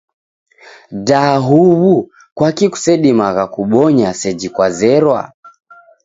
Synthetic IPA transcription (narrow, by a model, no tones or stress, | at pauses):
daɦuβu | kwakiku̥sɛɗimaɣakuɓɔɲasɛd͡ʒikwazɛɾwa̰